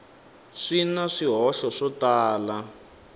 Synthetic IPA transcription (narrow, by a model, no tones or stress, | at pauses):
ʂinaʂiɦɔʃɔʂɔtaːla